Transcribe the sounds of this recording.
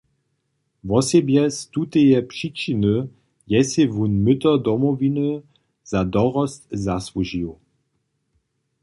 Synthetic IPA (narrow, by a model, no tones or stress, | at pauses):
vɔsɛbjɛst̪ut̪ejɛpʂit͡ʃinə | jɛsevunmʏt̪ɐd̪ɔmɔvinə | z̥adɔʁɔst̪zasvuʒio